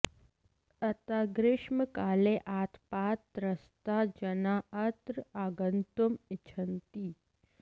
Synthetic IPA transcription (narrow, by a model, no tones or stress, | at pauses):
ɐt̪aːɡɾɪʃməkaːleʔaːt̪ʰpaːt̪ɾɐst̪ad͡ʒɐnaːɐt̪ɾəaːɡənt̪umɪt͡ʃʰɐnt̪iː